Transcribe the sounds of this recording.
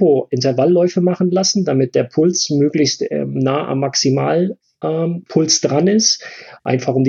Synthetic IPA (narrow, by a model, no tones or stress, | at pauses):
oʔɪntɛɐvalːɔʏfəmaχn̩lasn̩damɪt̚d̥eːɐpʰʊlt͡smøːklɪçstɛ̰naːʔa̰mːaksimaːl | ʔɛpʰʊlt͡sd̥ʁanɪstʔa̰ɪnfaχʊmd